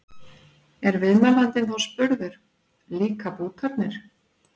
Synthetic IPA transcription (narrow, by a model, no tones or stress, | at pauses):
ɛɾvɪðmalant̪ɪnθawspʏɾðʏɾ̥ | liːkapuːt̪ʰapnɪɾ̥